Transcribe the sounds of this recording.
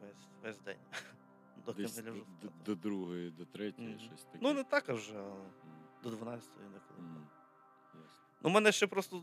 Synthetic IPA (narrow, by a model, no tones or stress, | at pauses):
ʋɛsʲʋɛzʲd̪ɛ̰nʲ | d̪ɔd̪ɐɐlʲɐʒd̪d̪ɔd̪ɾuɦɔjid̪ɔt̪ɾɛtʲɔjiʃɔsʲt̪ɐkʲnunɛt̪ɑkɐwʒɛ | d̪ɔd̪ʋɐnɑt͡sʲɐ̥t̪ɔ̰jinɛkɔlˠɪ | jas | numɛnɛʃt͡ʃɛpɾɔst̪ɔ